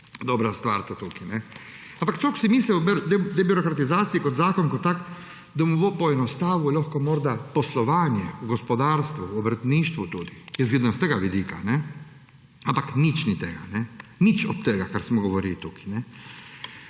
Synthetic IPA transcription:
d̪obɾast̪ʋaːɾt̪ot̪ukine | ampaktsoku̥simisliubd̪d̪ebiɾokɾat̪izaːt̪sijikod̪zaːkonkot̪ːak | d̪amuʋopojenost̪aːʋuʎʲoxkomoːɾd̪aposlˠoʋaːɲeuɡospod̪aːɾst̪ʋuobɾr̩t̪niːʃt̪ʋut̪uːd̪ijɛzɡid̪anseɡaʋid̪iːka̰ne | ampaknit͡ʃnit̪eɡa̰nenit͡ʃo̰t̪t̪eɡakaɾsmoɡoʋoɾilit̪ukʰi̥ne

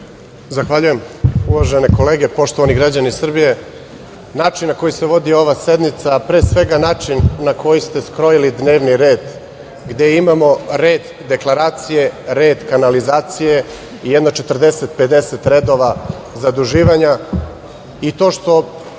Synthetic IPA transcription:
zaxʋaʎujemuʋaʒe̞ne̞ko̞le̞ːɡepo̞ʃt̪o̞ʋaniɡɾad͡ʑanisr̩bije̞ | naːt͡ʃinːako̞jise̞ʋo̞d̪io̞ʋase̞d̪nit̪sapɾe̞ːsʋe̞ɡanaːt͡ʂinːakʰo̞jist̪e̞skɾo̞jilid̪ne̞ːʋniɾe̞ːd̪ | ɡd̪e̞imamo̞ɾeːd̪ | d̪e̞klˠaɾaːt̪sije̞ɾe̞ːd̪kanalizaːt̪sije̞ | ijed̪no̞t͡ʃet̪r̩d̪e̞set̪̚pe̞d̪e̞set̪ɾe̞d̪o̞ʋa | zad̪ɾuʒiːʋaɲa | it̪o̞ːʃt̪o̞

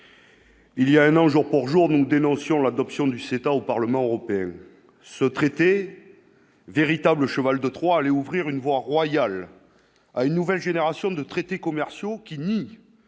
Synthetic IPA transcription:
iljaɛ̃nɑ̃ʒuʁpuʁʒuʁnud̪enɔ̃sjɔ̃lad̪ɔpsjɔ̃d̪yset̪aopaʁləmɑ̃øʁɔpeɛ̃ | sət̪χet̪e | veʁit̪abləʃəvald̪ət̪χwaːlɛuvʁiʁynvwaʁwajal | aynːuvɛlʒeneʁasjɔ̃d̪ət̪χet̪ekɔmɛʁsjokʲini

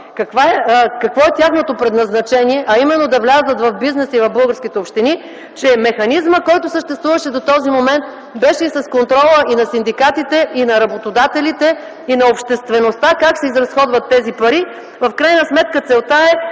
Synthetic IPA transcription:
kɐkvaɛkɐkvɔɛt̪ʲjaxnot̪opɾɛd̪nɐznɐt͡ʃɛniɛʔɐimɛnːod̪ɐvlʲazdət̪vɐvbiznɛsivɐvbɤlˠɡəɾskʲit̪ɛopʃt̪ini | t͡ʃɛmɛxɐnizməkɔjt̪osəʃt̪ɛst̪vuvəʃɛd̪ot̪ɔzimomɛnt̪̚ | bɛʃɛisɐskont̪ɾɔlˠəinɐsind̪ikat̪it̪ɛinɐɾɐbot̪od̪at̪ɛlit̪ɛ | inɐopʃt̪ɛst̪vɛnost̪akaksɛizɾɐsxɔd̪vɐt̪ːɛzipɐɾi | vɐfkɾajnəsmɛt̪̚kət̪sɛlˠt̪aɛ

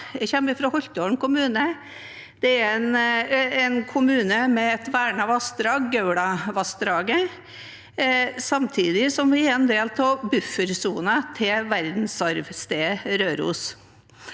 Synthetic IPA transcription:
ɛçɛmːɪfɾɑhɔçt̪oːɳkʊmʉːnə | d̪̥ɛæɾɛnɛnkʰʊmʉːnəmɛɛt̪ʋæːɳɑʋɑst̪ɾɑːɡːœʉɽɑʋɑst̪ɾɑːɡə | sɑmt̪ʰiːd̪ɪsɔmʋɪɛɾɛnd̪eːlt̪ʰɑːbʉfːəɾsuːnɑt̪ʰɪʋæɾd̪n̩sɑɾʋst̪eːɾøːɾṵːs

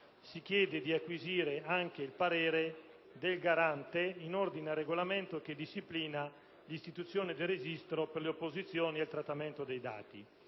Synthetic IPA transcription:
sikjɛːd̪ed̪iakːwiziːɾeaŋk̟eilpaɾeːɾe | d̪elɡaɾant̪einord̪inarːeɡolament̪ok̟ed̪iʃːipliːna | list̪it̪ut̪sːjoːned̪erezist̪ɾoperleopːozit̪sːjoːnilt̪ɾat̪ːament̪od̪ejd̪a̰ːt̪ḭ

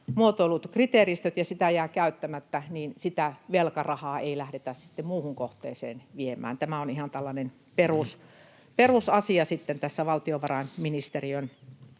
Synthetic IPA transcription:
muot̪olːut̪krit̪eˑrist̪øt̪jɑsit̪æjæːkæyt̪ːæmæt̪ːæniːnsit̪æʋelkɑrɑhɑːeilæhɾet̪æssi̥t̪ːemmuːhuŋkoht̪ˑḛːsḛːnʋiemæ̰ːnt̪æmæonihɑnt̪ælːɑnen | peruˑs | perusɑsiɑsit̪ːent̪æsːæʋɑlt̪ioʋɑrɑenminist̪eriøn

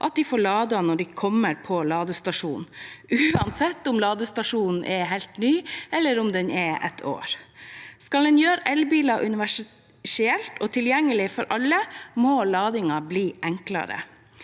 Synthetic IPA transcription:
ʔɑ̰t̪̚d̪ɪfoːɭɑːd̪ɑnɔɖikʰɔmːəɾpʰɔlɑːd̪əst̪ɑʂuːnn̩ʉːɑnsɛt̪ːʊmlɑːd̪əst̪ɑʂuːnn̩ʔɛɦæɪlt̪nyːɛlːəɾʊmd̪ɛnʔɛɛ̰t̪ʰo̰ːɾskɑld̪ɛnjøːɾəʔɛlbiːlɑʔʉnɪʋæʂ | ʂɪɛlt̪ɔːt̪ʰɪljɛŋːəlɪfɔɾʔɑlːəmoːlɑːd̪ɪŋɑbliːʔæŋklɑ̰ɾə̰

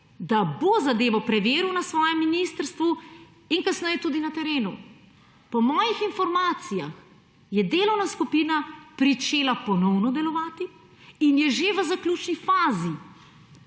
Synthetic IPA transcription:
d̪abozad̪eːʋɔpɾɛʋeːɾiwnasʋɔːjɛmːiniːst̪əɾst̪ʋu | inkasnɛjɛt̪uːd̪inat̪ɛɾeːnu | pɔmɔːjixinfɔɾmaːt̪sija̰x | jɛd̪eːlɔwnaskupiːnapɾit͡ʃeːlapɔnɔwnɔd̪ɛlɔʋaːt̪i | injɛʒeʋəzaklʲuːt͡ʃnifaːzi

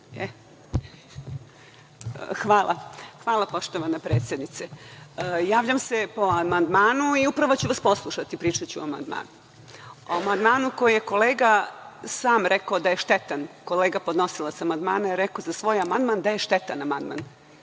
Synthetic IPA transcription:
e | xʋaːlˠʔa̰xʋaːlˠapo̞ʃt̪oʋanapɾeːt̪sjed̪nit̪se | jaːʋʎamse̞po̞amand̪maːnuiupɾaʋot͡ɕuʋaspo̞slˠuʃat̪ipɾiːt͡ʃat͡ɕṵama̰nd̪ma̰ːnu | oamand̪maːnukojijeko̞leːɡasaːmɾʔekaod̪aje̞ʃt̪et̪anko̞leːɡapod̪no̞silˠasamand̪maːnaiɾekozasʋo̞ːjamand̪mand̪ajeʃt̪et̪anama̰nd̪ma̰n

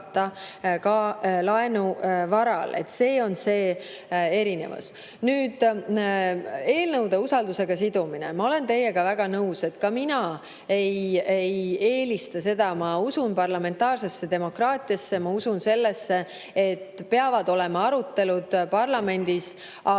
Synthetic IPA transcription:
t̪ːɑkɑlɑe̞nuvɑɾɑ̰lḛt̪ːse̞ːo̞nse̞ː | e̞ɾine̞̰vṵs | nyːd̪̥ | e̞ːlnɤwd̪eusɑld̪use̞ɡ̥ɑsid̪̥uminemɑo̞le̞nt̪e̞jːe̞ɡ̥ɑvæɡ̥ɑnɤuse̞t̪kɑminɑ | e̞jejeːlist̪ɑse̞d̪̥ɑmɑusunpɑrlɑme̞nt̪ɑːrsesːe̞d̪e̞mo̞krɑːt̪ˑijɑsːe̞mɑusunse̞lːesːe | et̪ːpe̞ɑvɑd̪̥o̞le̞mɑɑɾut̪ːe̞lud̪̥pɑrlɑme̞nd̪̥is | ɑ

